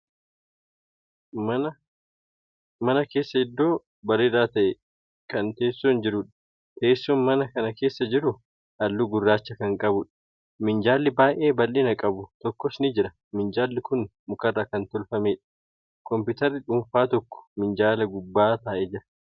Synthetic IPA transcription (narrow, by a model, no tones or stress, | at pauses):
ɐ | mɐnɐke̞ːsːɐɪd̪ːo̞ː | bɐrɪraːt̪ɐʔɛ | kɐnt̪e̞ːsːond͡ʒɪɾʊᶑɐ̥ | t̪e̞ːsːɔːnmɐnɐkɐnɐke̞ːsːɐd͡ʒɪɾʊ | ʔɐlːuɡʊrːaːt͡ʃːɐkɐŋkʼɐbʊᶑɐ̥ | mɪnd͡ʒaːlːɪbaːʔeːbɐlʔɪnɐkʼɐbʊt̪ɔkːɔsnɪd͡ʒɪɾɐ | mɪnd͡ʒaːlːɪkʊnmʊkɐrːaːkɐnt̪ɔlfɐmeːᶑɐ̥ | kɔmpɪt̪ɐɾːɪᶑʊɱfaːt̪ɔkːɔ̥mɪnd͡ʒaːlɐɡʊbːaːt̪aːʔɛd͡ʒɪɾɐ̥